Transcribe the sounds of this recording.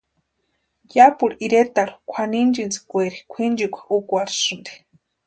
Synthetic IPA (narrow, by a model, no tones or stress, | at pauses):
japuɺiɾet̪aɺu̥kʷʰanind͡ʒint͡si̥kʷeɾikʷʰind͡ʒikʷḁʔukʷaɾsɨnd̪e̥